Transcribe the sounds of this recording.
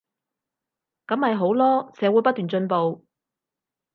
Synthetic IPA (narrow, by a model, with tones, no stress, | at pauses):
kɐ˨˥mhɐ˨jɦo˨˥wlɔː˥sɛː˨˥wu˨˥pɐ˥t̪̚ːyː˨nt͡ʃɵ˧npo˨w